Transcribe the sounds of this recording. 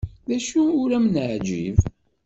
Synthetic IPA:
ðæʃuʊɾæmənəʕd͡ʒḭv

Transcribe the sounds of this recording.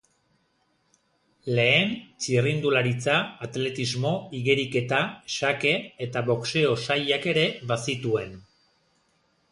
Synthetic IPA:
le̞ːnt͡sirind̪ulaɾit͡saːt̪le̞t̪izmo̞iɣeɾike̞t̪aʃake̞ːt̪aβo̞kse̞o̞sajake̞ɾe̞βasit̪ue̞n

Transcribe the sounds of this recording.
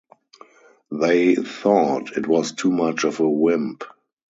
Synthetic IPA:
ðeɪθɔtʰɪtwɔstʰuːmat͡ʃɔvəwɪ̃mp

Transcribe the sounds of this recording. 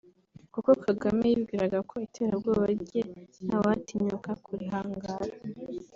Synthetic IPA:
kukokʰaɡamejibɡiːɾaɡakʰo̞itʰe̞ɾaɾɡoβaɾɟenawatiɲukakʰuɾiɦaːŋɡaɾa

